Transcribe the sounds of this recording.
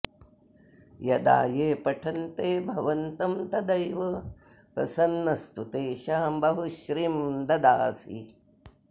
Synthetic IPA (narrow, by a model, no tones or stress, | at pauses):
jɐd̪a̰ːjeːpɐʈʰɐnt̪eːbʱɐʋɐnt̪ɐmt̪ɐd̪ɐjʋɐ | pɾɐ̰sɐnːɐst̪ut̪eːʃaːmbɐɦuʃɾiːmd̪ɐd̪aːsḭ